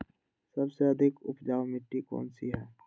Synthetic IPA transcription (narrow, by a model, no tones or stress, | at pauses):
sɐbseɐd̪ʱɪkʊ̰pd͡ʒaːwmɪʈːikɔ̰ːnsiɦɛː